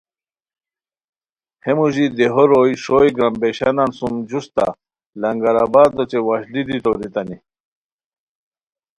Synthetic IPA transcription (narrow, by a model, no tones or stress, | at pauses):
hemuʑid̪eɦoɾojʂojɡɾambeɕanansumd͡ʑust̪a̰ | lɐŋɡaɾabaːd̪ot͡ɕewaɕd̪id̪it̪oɾit̪ani